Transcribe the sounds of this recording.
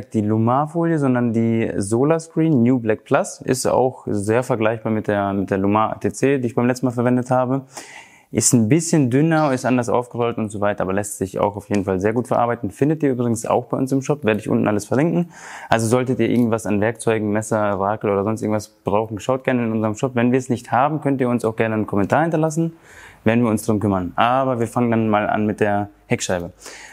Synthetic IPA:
d̥iːlumaːfoːljəzɔndɐndiːzoːlaskʁ̥iːnːjuːblɛk̚pʰl̥asʔɪ̰sta̰ʊxzeːɐfɛɐɡlaɪçb̥aːɐmɪt̚d̥eːɐmɪt̚d̥eːɐlumaːa̰tʰeːt͡seːdiːɪçbaɪmlɛt͡stn̩maːlfɛɐvɛndəthaːbə | ʔɪstnbɪsçəndʏnɐɪstʔandɐsʔa̰ʊfɡ̥əʁɔlətʊntz̥ovaɪtɐʔaːbɐlɛstz̥ɪça̰ʊxaʊfjeːdn̩falzeːɐɡuːtfɛɐʔa̰ɐbaɪtn̩fɪndətʔiːɐʔyːbʁɪɡŋ̩sa̰ʊxb̥aɪʔʊ̰nsɪmʃɔpveːɐɾətɪçʊ̰ntn̩ʔaləsfɛɐlɪŋkŋ̩ʔalzozɔltətiːɐʔɪɐɡŋ̩tvasanvɛɐk̚t͡sɔʏɡŋ̩mɛsɐʁaːkl̩ʔoːdɐzɔnstɪɐɡŋ̩tv̥asb̥ʁaʊxn̩ʃaʊt̚ɡ̥ɛɐnəɪnʔʊnzəʁəmʃɔpvɛnviːɐɛsnɪçthaːbm̩kʰœntiːɐʊnsaʊxɡ̥ɛɐnənkʰɔmɛntʰaːɐhɪntɐlas̬n̩veːdn̩viːɐʊnsd̥aʁʊmkʏmɐnʔaːbɐviːɐfaŋəndanmaːlʔa̰nmɪt̚d̥eːɐhɛkʃaɪbə

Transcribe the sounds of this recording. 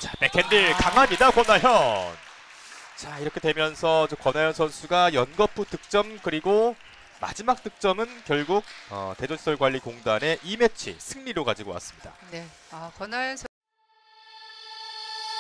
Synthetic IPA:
t͡ɕape̞kʰendikaŋɦaɲidakwʌnajʌn | t͡ɕaiɾʌkʰe̞dwe̞mjʌnsʰʌd͡ʑomkwʌnajʌnsʰʌnsʰuɡajʌnɡʌpʰutɯk̚t͡ɕ͈ʌmkɯɾiɡo | ma̰d͡ʑimak̚t͈ɯk̚t͡ɕ͈ʌmɯnkjʌɭɡuɡ̚ʌ̰te̞d͡ʑoɕʰi̥sʰʌɭɡwaʎːikoŋdane̞ʔime̞t͡ɕʰḭsʰɯŋɲiɾokad͡ʑiɡowa̰s͈ɯ̥mɲida̰neakwʌnajʌnsʰ

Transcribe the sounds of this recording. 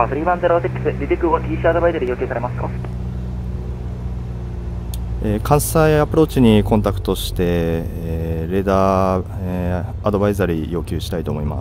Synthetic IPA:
soɾʲiːbãnd̪ɾasekʲːi̥sɨɾʲit̪ekːɯot̪ʲiːɕiad̪o̞baizaɾʲijoːkʲɨ̟ːsaɾe̞masɨ̥ka̰ | eːkʰãɰ̃saiapɯ̟ɾo̞ːt͡ɕiɲ̟ikõ̞nt̪akɯ̟̥t̪o̞ɕi̥t̪e̞ | ɾe̞d̪aː | eː | d̪o̞baizaɾʲijo̞ːkʲɨ̟ːɕi̥t̪ait̪o̞ːmo̞ima̰

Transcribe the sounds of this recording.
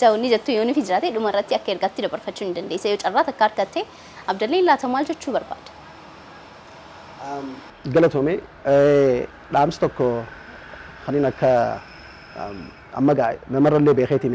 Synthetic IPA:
ɐwɔnːɪd͡ʒɛt̪ːʊjoːnɪfɪd͡ʒɪɾaːt̪eᶑʊmɐɪrːɐt̪ːɪɐkːɐɛɾɡaːt̪ːɪd̪ɐbɐɾfɐt͡ʃːuːnɪnd̪ɐnd̪eːsːɐjoːt͡ʃʼɐrːaːt̪ɐkːɐaɐɾɡɐt̪ːe | ɐbd̪ɐlːeːnlaːt̪ɐmaːld͡ʒɛt͡ʃːuːbɐɾba̰ːd̪̥ɐ̥ | ɡɐlɐt̪oːme | ᶑaːmsɐ̥t̪ɔkːɔ | kɐniːnɐkːɐ | ɐ̰mːɐɡaːʔɛnɐmɐrːɐlːeːbeːxeːt̪ɪn

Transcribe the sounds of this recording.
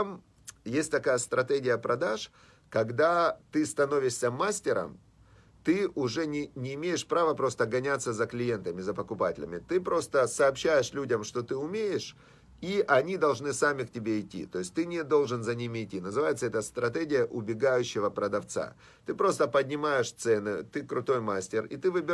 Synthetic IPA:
t̪am | jesʲtʲt̪ɐkajəst̪ɾɐt̪eɡʲɪjəpɾɐd̪aʂ | kɐɡd̪at̪ɨst̪ɐno̞vʲɪʂsʲəmasʲtʲɪɾə̰m | t̪ɨʔʊʐɛnʲɪnʲɪːmʲejɪʂpɾavəpɾo̞st̪əɡɐnʲat̪səzəklʲɪje̞nt̪əmʲɪzəpəkʊpatʲɪ̰lʲɪ̰mʲɪt̪ɨpɾo̞st̪əsɐːpɕːæjɪʂlʲudʲəmʂt̪o̞t̪ɨʊmʲejɪʂ | iʔɐnʲid̪ɐlˠʐnɨsamʲɪktʲɪbʲeɪtʲːḭt̪o̞jɪsʲtʲt̪ɨnʲɪd̪o̞lˠʐɨnzɐnʲimʲɪɪtʲːinəzɨvajɪt̪səɛt̪əst̪ɾɐt̪ɛɡʲɪjəʔʊbʲɪɡajʉɕːɪvəpɾəd̪ɐft̪sa̰ | t̪ɨpɾo̞st̪əpədʲnʲɪmajɪʂt̪sɛnɨt̪ɨkɾʊt̪o̞jmasʲtʲɪrḭt̪ɨvɨbʲɪ

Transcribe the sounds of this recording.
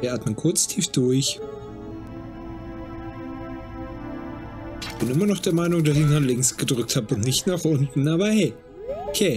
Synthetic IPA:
ɐʔaːtmənkʰʊɐt͡stʰiːfd̥ʊɐç | ɪçb̥ɪnʔɪmɐnɔχd̥eːɐmaɪnʊŋdasɪçdanlɪŋsɡ̥ədʁʏk̚thapʊntnɪçtnaːχʔʊntn̩ʔaːβɐhɛː | kʰeː

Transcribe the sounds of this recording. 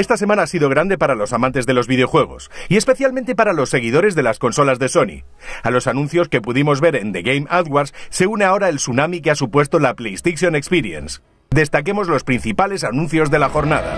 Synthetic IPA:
e̞st̪ase̞mãnaasiðo̞ɣɾand̪e̞paɾalo̞samãnt̪e̞zðe̞lo̞zβiðeo̞xwe̞ɣ̞o̞̰sie̞spe̞θjalment̪e̞paɾalo̞sːeɣ̞iðo̞ɾe̞zðe̞lasko̞nso̞lazðe̞so̞nḭ | alo̞sanũnθjo̞ske̞puðimo̞zβe̞ɾe̞nd̪eɣejmaðɣwaɾsse̞uneao̞ɾaelsunamikeasupwe̞st̪o̞laplejst̪eʃjo̞nekspiɾie̞̰ns | d̪e̞st̪ake̞mo̞zlo̞spɾin̟θipale̞s̬anũn̟θjo̞zðe̞laxo̞ɾnaða̰

